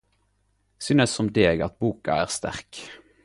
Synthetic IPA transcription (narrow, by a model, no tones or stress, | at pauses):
sʏnəsːɔmd̪eɡɑt̪̚buːkɑ̰æ̰ːʁst̪æ̰ʁk